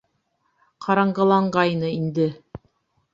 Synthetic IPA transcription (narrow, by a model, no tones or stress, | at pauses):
qʰɑɾɑɴɢɑ̆lˠɑɴɢɑjnɤind̪ɘ